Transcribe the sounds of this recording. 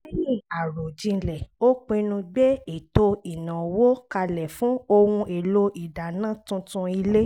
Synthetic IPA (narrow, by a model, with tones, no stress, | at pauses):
e˦jĩ˦˨a˨ɾo˨d͡ʒĩ˧lɛ˨o˦k͡pe˧nũ˧ɡ͡be˦e˨to˧i˨nã˨wo˦ka˧lɛ˨fũ˨˦o˧wũ˧e˨lo˧i˨da˨nã˦tũ˧tũ˧i˧le˦